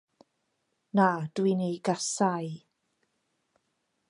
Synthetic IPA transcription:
nad̥winejɡasaj

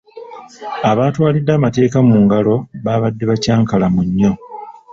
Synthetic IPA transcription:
aβaːtwaːlidːaːmate̞ːkamuːŋɡalo̞βaːβadːe̞βacaːŋkalamuɲːo̞

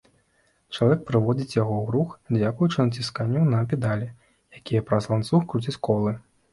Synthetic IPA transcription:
t͡ʂɐlˠavʲɛk̚pɾɨvɔd͡zʲit͡sʲjaɣɔwɾuxd͡zʲakujut͡ʂɨnɐt͡sʲiskanʲːunɐpʲɛd̪alʲɛ | jakʲijɐpɾɐzlˠant̪suxkɾut͡sʲit͡sʲkɔlˠɨ

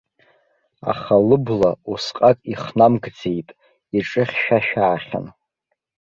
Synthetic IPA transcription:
a̰χalɨblausqʼakʼiχnamɡd͡ze̞jtʼ | iʈ͡ʂʼɨχʲʃᶣaʃᶣaːχʲa̰n

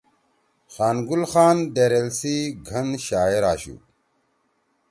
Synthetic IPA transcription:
xanɡulxandeɾelsiɡʱɐnʃajiɾaʃṵ

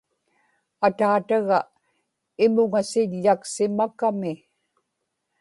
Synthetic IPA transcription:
at̪aːt̪aɣa | ɪmʊŋasɪʎːaksɪmakamɪ

